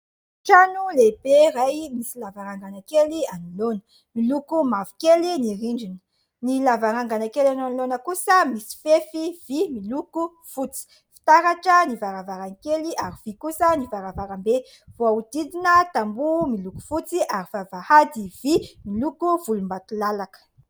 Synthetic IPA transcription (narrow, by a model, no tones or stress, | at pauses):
ʈ͡ʂanuleb̥erajmisilavaɾaŋɡanakelianulonə | milukumavi̥keliniɾiɳɖ͡ʐinə̥ | nilavaɾaŋɡanakelananlonəkusəmisi̥fefiv̥imiluku | fut͡si̥ | fi̥t̪aɾaʈ͡ʂənivaɾavaɾanikeliaɾiv̥ikusənivaɾavaɾambe | v̥oaud̪id̪inət̪ambumiluku̥fut͡siʔaɾifavahad̪iv̥imilukuvulumbat̪ulalakə̥